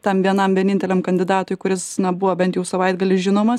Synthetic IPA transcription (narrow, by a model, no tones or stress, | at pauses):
t̪ɐmʋʲiɛnɐmʋʲiɛnʲɪnʲt̪ʲɛlʲɛmkɐnʲd̪ʲɪd̪ɑːt̪ʊjkʊɾʲɪsnʲɛbʊʋobʲɛnt̪jɛʊsɐʋɐɪd̪ɡɐlʲɪsʒʲɪnoːmɐs